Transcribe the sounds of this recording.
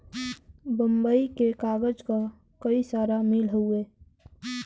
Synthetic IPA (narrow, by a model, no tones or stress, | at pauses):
bə̃mbəikekaːɡəd͡ʒka | kəisaːɾamilɦueː